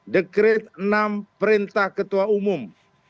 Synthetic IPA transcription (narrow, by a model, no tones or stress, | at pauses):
dəkɾɪt̪̚ənampəɾint̪ahkət̪uaumʊm